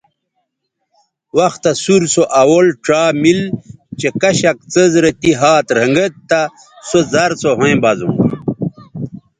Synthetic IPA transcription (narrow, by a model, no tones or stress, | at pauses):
wɐxt̪asuɾsoʔɐwolʈ͡ʂaːmilt͡ɕekɐɕɐk̚t͡səzɾɐt̪iɦaːt̪ɾɐŋɡət̪t̪ːa | sozɐɾsoɦõẽbɐzṵ̃